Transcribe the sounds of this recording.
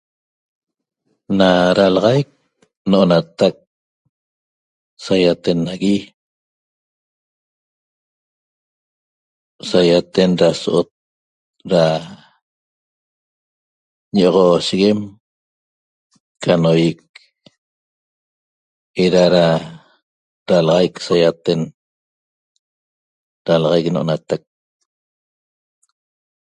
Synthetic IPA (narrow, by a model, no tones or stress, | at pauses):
naɾalɑʁɑjk̚ | noʔonat̪ak̚ | sajat̪e̞naɣi | sajat̪enɾasoʔot̪̚ | ɾa | ɲeʔoʁoʃiɣem | kanojik̚ | eɾaɾa | ɾalɑʁɑjksajat̪e̞n | ɾalɑʁɑjknoʔonat̪ak̚